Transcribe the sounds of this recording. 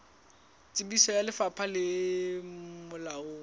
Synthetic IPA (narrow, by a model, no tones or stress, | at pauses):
t͡sʼɪbisɔjalɪfapʰalɪ | mʊlaoː